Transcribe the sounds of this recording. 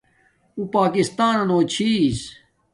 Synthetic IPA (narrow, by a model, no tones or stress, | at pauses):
upaːkist̪aːnɐnoːt͡ɕʰiːs